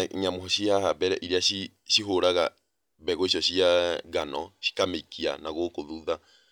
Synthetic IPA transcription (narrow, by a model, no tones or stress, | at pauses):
ɲamoɦɔʃiaɦabɛɾɛ̰ʔiɾeaʃi | ʃiɦoɾaɣa | βɛɣoiʃ̬ɔɕiaɣanɔ̰ʃi̥kameikʰia̰naɣokoðuða